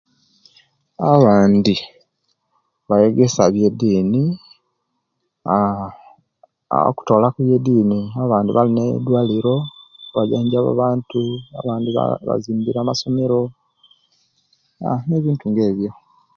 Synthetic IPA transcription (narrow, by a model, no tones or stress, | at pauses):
aβaːndi | βaje̞ɡe̞saβjediːni | a | a̰ku̥to̞ːlakujediːniaβaːndiβalinḛd̪waːliɾo̞βaɟaːɲɟaβa̰βaːntua̰βaːndiβa̰βa̰ziːmbiɾaːmaso̞meɾo̞ | a̰ne̞βiːntuŋɡe̞ːβjo̞